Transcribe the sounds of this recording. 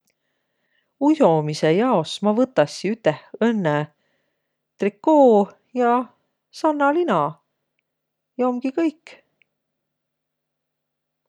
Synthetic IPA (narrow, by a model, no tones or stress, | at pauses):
uso̞misejɑo̞smɑvɤt̪ːˑɑsʲːiyt̪ːehɤnːe | t̪rikːoː | jɑ | sɑnːɑlinɑ | jɑomɡ̥ikɤjkː